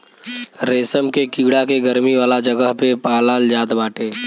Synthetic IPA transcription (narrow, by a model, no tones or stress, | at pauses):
ɾeːsəmkekiɡɽakeɡəɾmiʋaːlad͡ʒɐɡəɦpepaːlaːld͡ʒaːd̪baːʈeː